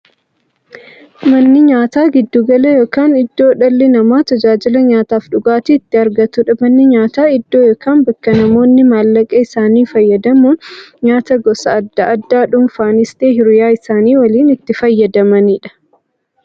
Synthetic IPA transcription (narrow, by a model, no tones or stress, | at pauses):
mɐnːɪɲaːt̪aːɡɪd̪ːuɡɐlɐjo̞ːkaːnɪd̪ːo̞ːᶑɐlːɛnɐmaːt̪ɐd͡ʒaːd͡ʒɪlɐɲaːt̪aːfᶑʊɡaːt̪iːt̪ːɪɐɾɡɐt̪ʊᶑɐmɐnːɪɲaːt̪aːɪd̪ːoːjoːkaːnbɐkːɐnɐmo̞ːnːɪmaːlːɐkʼɐɪsaːniːfɐjːɐd̪ɐmuːnɲaːt̪ɐɡɔsɐːd̪ːɐɐd̪ːaːᶑʊmfaːnɪst̪eːɦɪɾɪjaːɪsaːniːwɐliːnɪt̪ːɪfɐjːɐd̪ɐmɐniːᶑɐ̥